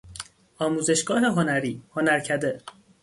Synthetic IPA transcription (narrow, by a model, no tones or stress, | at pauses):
ɒːmuːze̞ʃɡ̥ɒːɦe̞ɦonæɾiːhonæɾcʰæd̪e